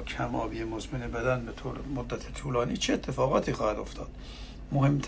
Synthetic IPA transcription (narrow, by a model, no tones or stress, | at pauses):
kʰæmɒ̰ːbijemozmenebæd̪ænbet̪ʰoːɾemod̪ːæt̪ʰet̪ʰuːlɒːniːt͡ʃʰeet̪ʰːe̞fɒːɣɒːt̪ʰiːxɒːhæd̪o̞ft̪ʰɒːd̪̥ | mohe̞mt̪ʰ